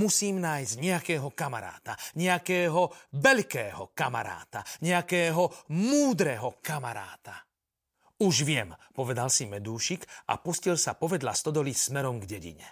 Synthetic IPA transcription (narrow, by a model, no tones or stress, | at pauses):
musiːmnaːjzɟɲɛakɛːɦɔkama̰ɾa̰ːt̪aɲɛakɛːɦɔʋɛʎkɛːɦɔkama̰ɾa̰ːt̪aɲɛakɛːɦɔmuːd̪ɾɛɦɔkama̰ɾa̰ːt̪a | uʒʋɪɛmpɔʋɛd̪alsimɛd̪uːʃikʔa̰puscilsapɔʋɛd̪la̰st̪ɔd̪ɔlismɛɾɔmɡɟɛɟḭɲɛ